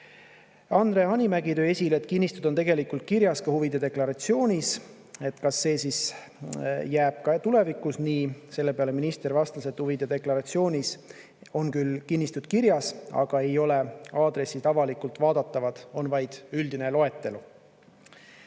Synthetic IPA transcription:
ɑnd̪̥re̞ɑnʲimæɡit̪øːe̞sʲileet̪̚ːˑkinːist̪ud̪ot̪e̞ɡe̞likult̪̚kiɾjɑskɑhuvid̪e̞d̪e̞klɑɾɑt̪sio̞ːnʲis | e̞t̪ːˑkɑsːe̞ːsis | jæːb̥kɑt̪ule̞vikːˑusniːse̞lːe̞peɑle̞minist̪ervɑst̪ɑse̞t̪huvid̪̥e̞d̪e̞klɑɾɑt̪sio̞ːnʲis | o̞nkylkinʲːist̪ud̪̥kiɾjɑsɑ̰ɡ̥ɑe̞jo̞le̞ɑːd̪̥ɾe̞sːit̪ɑvɑlikult̪vɑːd̪ɑt̪ːˑɑvɑd̪̥o̞nvɑjd̪̥yld̪ine̞lo̞e̞t̪ːe̞lu

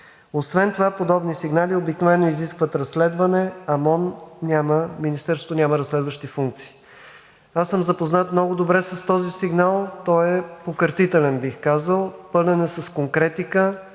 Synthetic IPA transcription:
osvɛnt̪ovapod̪ɔbnisiɡnaliobiknovɛnːoiziskvət̪ɾɐsːlɛd̪vɐnɛɐmɔnnʲaməminist̪ɛɾsot̪onʲaməɾɐsːlɛd̪vəʃt̪ifuŋk̚t̪si̥ː | asəmzɐpoznat̪mnɔɡʊd̪obɾɛsɐst̪ɔzisiɡnalˠt̪ɔɛpokəɾt̪it̪ɛlɛnbixkazəlˠpɤnɛnɛsɐskoŋkɾɛt̪ikə

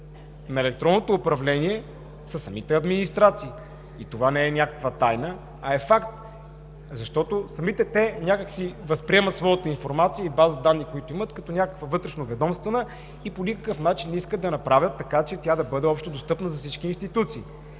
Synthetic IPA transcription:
nɐɛlɛk̚t̪ɾɔnːot̪oːpɾɐvlɛniɛ | sɐsːɐmit̪ɛɐd̪minist̪ɾat̪siː | t̪ovanɛɛnʲakə̥kvət̪ajnə | ɐɛfakt̪ | zɐʃt̪ɔt̪osɐmit̪ɛt̪ɛnʲakəksivɐspɾiɛmət̪svɔjət̪əinfoɾmat̪sijəibazəd̪anːikoit̪ʊimət̪kɐt̪ɔnʲakə̥kvəvɤt̪ɾɛʃnovɛd̪ɔmst̪vənə | iponʲikə̥kɤfnat͡ʃinːiskəd̪ɐnɐpɾavʲjət̪ːɐkat͡ʃɛt̪ʲjad̪ɐbɤd̪ɛɔpʃt̪od̪ost̪ɤpnəzɐfsit͡ʃk̟iːnst̪it̪ut̪siː

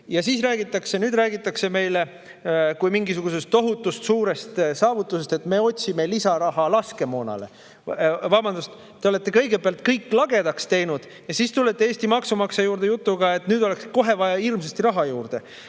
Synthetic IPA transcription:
jɑsiːsræːɡ̥it̪ːˑɑkse̞nyːd̪ræːɡit̪ːˑɑkse̞me̞jle̞ | kujmiŋɡisuɡ̥use̞st̪ːo̞ɦut̪ːˑust̪suːɾe̞st̪sɑːvut̪ːˑuse̞st̪e̞t̪me̞o̞tʲsime̞lisɑɾɑɦɑlɑske̞mo̞ːnɑ̰le̞ | vɑːbɑnd̪ust̪ | t̪ːeole̞t̪ˑːe̞kɤ̞jɡebeɑlt̪kɤjkːˑlɑɡe̞d̪ɑkst̪e̞jnud̪̥ | jɑsiːst̪ulːe̞t̪ːˑeeːsʲt̪imɑksumɑksɑjuːrd̪̥e̞jut̪ˑːuɡɑet̪nyːd̪o̞le̞ksko̞ɦe̞vɑjɑirmsest̪iɾɑɦɑjuːrd̪̥e̞

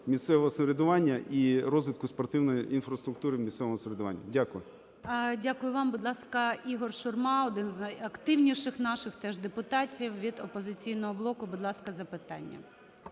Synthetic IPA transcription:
mʲist̪sɛʋɔɦɔsɔɾʲɪd̪ʊʋɑnʲːɐʔiɾɔzʋʲɪt̪kʊspɔrt̪ɪwnɔjinfɾɐst̪ɾʊk̚t̪uɾɪmʲist̪sɛʋɔmɔsɔɾʲɪd̪ʊʋɑ̰nʲːɐ̰dʲakʊjʊ | dʲakʊjʊʋɑmbʊd̪ʲlˠɑskɐiɦɔrʃʊrmɑɔd̪ɪnznɐjɐkt̪ɪwnʲiʃɪxnɑʃɪxt̪ɛʒd̪epʊt̪ɑtʲiwʋʲid̪ɔpɔzɪt͡sʲijnɔɦɔblˠɔkʊbʊd̪lˠɑskɐzɐpɪt̪ɑ̰nʲːɐ̰

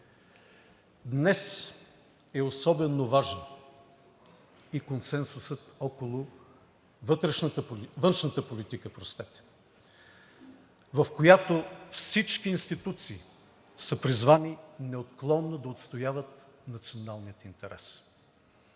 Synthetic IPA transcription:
d̪nɛs | ɛosɔbɛnovaʒnə | ikonsɛnsʊsət̪ɔkolˠʊ | vət̪ɾɛʃnət̪əvənʃnət̪əpolit̪ikəpɾost̪ɛt̪ɛ̥ | vɐfkojat̪ofsit͡ʃkiːnst̪it̪ut̪siː | səpɾizvaninɛot̪klˠɔnːod̪ɐot̪st̪ojavət̪ | nɐt̪sionalˠnijət̪int̪ɛɾɛs

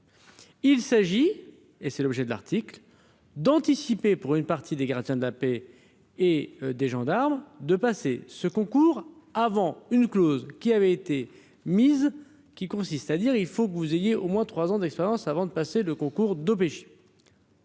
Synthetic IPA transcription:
ilsaʒi | esɛlɔbʒɛd̪əla̰ʁt̪ikl | d̪ɑ̃t̪isipepuʁynpaʁt̪ʰid̪eɡaʁd̪jɛ̃d̪əlape | ed̪eʒɑ̃d̪aʁmd̪əpasesəkɔ̃kuʁ | avɑ̃ynklozkʲiavɛet̪e | miz | kʲikɔ̃sist̪ad̪iʁilfokəvuzejeʔomwɛ̃t̪χwazɑ̃d̪ɛkspeʁjɑ̃savɑ̃d̪əpaseləkɔ̃kuʁd̪op̬eʃe̥

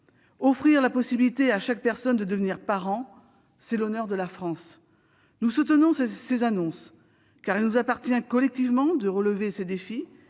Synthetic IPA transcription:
ɔfχiʁlapɔsibilit̪eaʃak̚pɛʁsɔnd̪əd̪əvniʁpaʁɑ̃ | sɛlɔnœʁd̪əlafχɑ̃s | nusut̪ənɔ̃ssezanɔ̃s | kaʁilnuzapaʁt̪jɛ̃kɔlɛk̚t̪ivmɑ̃d̪əʁələvesed̪efi

